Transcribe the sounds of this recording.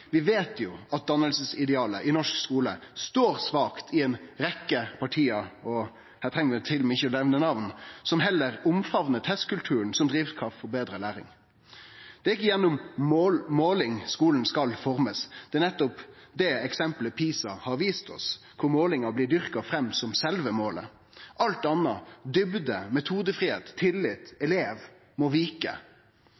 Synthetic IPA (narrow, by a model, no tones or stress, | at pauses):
ʋɪʋeːt̪ʰjʊɑt̪̚d̪ɑnəlsəsɪd̪ɛɑːləʔɪnɔʂkskuːləst̪oːɾsʋɑːkt̪ʰɪɛnɾɛkːəpʰɑʈʰiːɑɔ | hæːt̪ʰʁɛŋːəʋɛt̪ʰɪlmɪçːəɔlɛʋnənɑʋnsɔmɦɛlːəɾʊmfɑʋnət̪ʰɛst̪kʰʉlt̪ʰʉːənsɔmd̪ɾiːʋkʰɑfɔbeːd̪ɾəlæːɾɪ̰ŋ | d̪̥ɛːɾɪk̬ːəjɛnːʊm | moːlɪŋskuːln̩skɑlfɔʁməsd̪̥ɛːnɛt̪ːɔpd̪ɛɛksɛmpləpʰiːsɑhɑɾʋiːst̪ɔ̰s | kʰʊɾmoːlɪŋɑblɪːd̪ʏʁkɑfʁɛmːsɔmsɛlʋəmoːlə̰ | ʔɑlt̪ɑnɑd̪ʏbd̪əmɛt̪ʰuːd̪əfʁiːheːt̪t̪ʰːɪlːɪt̪ɛleːʋ | mɔʋiːkə̰